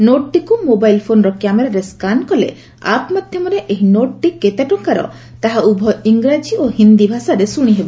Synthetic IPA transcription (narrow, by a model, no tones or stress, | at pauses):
noʈʈikumobajlpʰonɔɾɔkjameɾaɾeskankɔlḛ | a̰pmad̪ʱjɔmɔɾeʔeɦinoʈʈiket̪eʈɔŋkaɾɔ̰ | t̪aɦaʔubʱɔiŋɡɾad͡ʒiohind̪ibʱasaɾesuɽ̃iɦebɔ